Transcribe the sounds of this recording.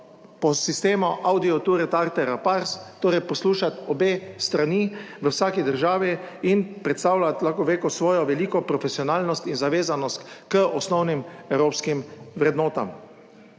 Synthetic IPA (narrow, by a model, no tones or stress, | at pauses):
pɔsist̪eːmɔʔawd̪iɔt̪uɾɛt̪aɾt̪ɛɾapaɾst̪oːɾɛjpɔsluːʃat̪ɔbeːst̪ɾaniʋəwsaːkid̪əɾʒaːʋiinpɾɛt̪st̪aːwlat̪laxkɔʋeːkɔsʋɔːjɔʋɛliːkɔpɾɔfɛsiɔnaːlnɔst̪inzaʋeːzanɔst̪kəɔsnɔwnimɛwɾoːpskimʋɾɛd̪nɔːt̪a̰m